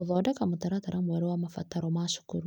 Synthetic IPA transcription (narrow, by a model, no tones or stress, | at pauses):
ðɔdakamutaɾataɾʔamwɛɾɛwamafa̰taɾɔmaʃu̥kṵɾu